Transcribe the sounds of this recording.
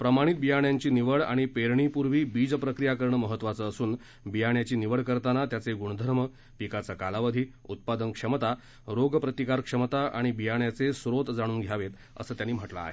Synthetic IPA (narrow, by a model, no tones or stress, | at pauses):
pɾəmaɽ̃it̪̚bijaɳjaɲt͡ɕiːniʋəɭa̰ɽ̃ipeɾɳipuɾʋiːbid͡zpɾəkɾijakəɾɳəməɦət̪ːʋat͡səːsuːn | bijaɳjat͡ɕiːniʋəɭkəɾt̪anat̪jat͡seɡuɽ̃əd̪ʱəɾmə | pikat͡sakalaʋəd̪ʱiː | ut̪̚pad̪ənkʂəmt̪a | ɾoɡpɾət̪ikaɾkʂəmt̪aʔaɽ̃ibijaɳjat͡sesɾot̪d͡zaɽ̃uːnɡʱjaʋet̪ | ə̰səːt̪janːiːm̤əʈla̰ːɦe